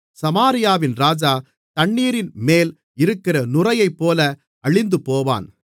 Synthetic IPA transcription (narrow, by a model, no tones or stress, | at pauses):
sɐmaːɾɪjaːʋɪnɾaːd͡ʒaː | t̪ɐɳːiːɾɪnmeːl | ɪɾɯkːɪrɐnʊrɐjɐɪpːoːlɐ | ɐɻɪnd̪ɯpoːʋa̰ːn